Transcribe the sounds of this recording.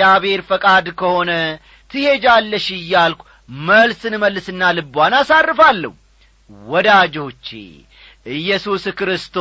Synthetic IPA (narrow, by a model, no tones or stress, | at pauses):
aβe̞ɾfəkʼad̪kʰəho̞nə | t̪ʰɨhe̞d͡ʒalːəʃɨjːalkʷʰu | məlsɨnməlːɨsɨnːalɨbwanasarːɨfalːə̰h | wɔd̪ad͡ʒo̞t͡ʃːḛ | ʔɨjːɛsuskɾɨst̪ʰo